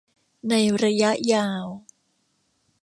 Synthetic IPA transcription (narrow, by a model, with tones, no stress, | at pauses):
na˧jɾa˧ja˦˥ʔjaː˧w